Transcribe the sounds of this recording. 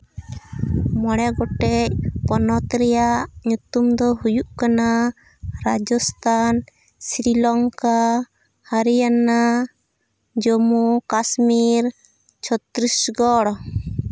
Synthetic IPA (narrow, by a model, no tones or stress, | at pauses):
mɔɽɛɡɔʈɛc̚pɔnɔt̪ɾɛjaʔɲut̪umd̪ɔɦujuʔkana | ɾad͡ʒɔst̪ʰan | sɾilɔŋka | haɾijana | d͡ʒɔmukasmiɾ | t͡ʃʰɔt̪ɾisɡɔɽɔ